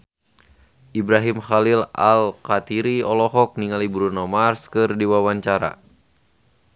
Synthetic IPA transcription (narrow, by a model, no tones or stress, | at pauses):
ʔibɾaɦimxalila̰lkat̪iɾiɔlɔɦɔk̚niŋalibɾunɔmarskɨrdiwawaɲt͡ʃaɾa̰